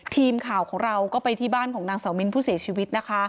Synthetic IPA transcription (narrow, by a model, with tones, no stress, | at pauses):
t̪ʰiː˧mkʰaː˨˩wkʰɔː˩˦ŋɾa˧wkɔː˥˩pa˧jt̪ʰiː˥˩baː˥˩nkʰɔː˩˦ŋnaː˧ŋsaː˩˦wmi˧npʰuː˥˩si˩˦ɐt͡ɕʰiː˧wi˦˥t̪̚na˦˥kʰa˦˥